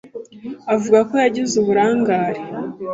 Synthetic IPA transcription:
avuɡako̞jaɟizuβuɾaːŋɡaːɾe

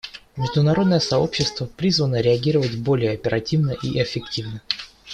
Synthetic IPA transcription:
mʲɪʐd̪ʊnɐɾo̞d̪nəjəsɐo̞̰pɕːɪst̪vəpɾʲizvənəɾʲɪɐɡʲiɾəvətʲbo̞lʲɪjəɐpʲɪɾʔɐtʲivnəʔiʔɪfʲɪktʲivnə

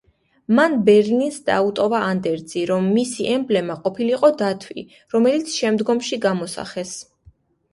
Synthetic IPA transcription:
manbɛɾlinsd̪̥a̰ut̪ʼɔvaːnd̪ɛɾd̪z̥iɾɔmːisiʔɛmblɛmaqʼɔpʰiliqʼɔd̪at̪ʰwḭ | ɾɔmɛlit̪sʰʃɛmd̪ɡɔmʃiɡamɔsa̰χɛs

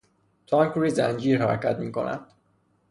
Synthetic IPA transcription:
t̪ʰɒŋkʰɾiːzænd͡ʒiːɾhæɾcʰæt̪miːko̞̰næ̰d̪̥

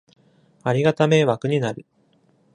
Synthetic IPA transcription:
aɾʲiɡat̪ame̞βakɯ̟ɲ̟inaɾɯ̟

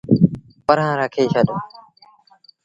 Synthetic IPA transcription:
pəɾɦãːɾaːkʰeːʃaɗoː

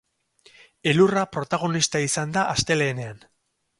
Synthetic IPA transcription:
e̞lurapɾo̞t̪aɣ̞o̞nist̪aisand̪aʔast̪e̞le̞ːne̞an

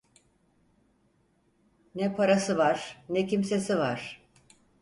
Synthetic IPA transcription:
nɛpʰaɾasɯvaɾ̥nɛcimse̞sivaɾ̥

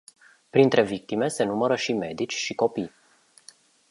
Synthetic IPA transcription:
pɾint̪ɾe̞vik̚t̪ime̞se̞numəɾəʃime̞d̪it͡ʃʲʃiko̞pij

